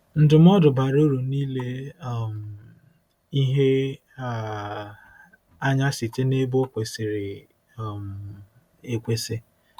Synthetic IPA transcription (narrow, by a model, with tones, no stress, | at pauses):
n̩˨dʊ˨m̩˦ɔ˦dʊ˨ba˨ɾo˦ɾu˨niː˦le˦˨m̩˨ | i˦ɦe˦ | a˦ | a˦ɲa˦sɪ˨t͡ʃe˦ne˦bo˦kʷe˨sɪ˨ɾɪ˨ | e˨kʷe˦sɪ˦